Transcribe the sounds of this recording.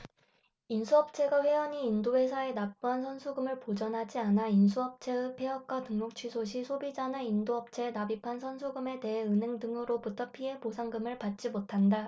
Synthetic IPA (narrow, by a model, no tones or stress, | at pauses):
insʰuʌp̚t͡ɕʰe̞ɡaɸwe̞ʌɲiːndoe̞sʰae̞nap̚p͈uɦansʰʌnsʰuɡɯmɯɭpod͡ʑʌnɦad͡ʑianainsʰuʌp̚t͡ɕʰe̞ɯpʰe̞ʌk̚k͈watɯŋmok̚t͡ɕʰɥisʰoɕ̬ʰisʰobid͡ʑanaindoʌp̚t͡ɕʰe̞nabipʰansʰʌnsʰuɡɯme̞te̞ɦeɯne̞ŋdɯŋɯɾobutʰʌpʰie̞posʰaŋɡɯmɯɭpat̚t͡ɕ͈imotʰanda